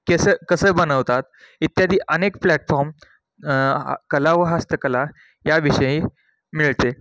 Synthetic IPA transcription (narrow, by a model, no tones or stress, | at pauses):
kesəːkəsəːbənəʋt̪at̪̚ | it̪jad̪iːʔənekplæʈfɔɾm | kəlaʋəɦast̪əkəla | jaʋiɕəjĩ | miɭt̪e